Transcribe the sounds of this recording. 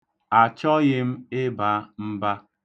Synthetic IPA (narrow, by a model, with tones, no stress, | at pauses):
a˨t͡ʃɔ˦ɣɪ˦m̩˦ɪ˦ba˦m̩˦ba˦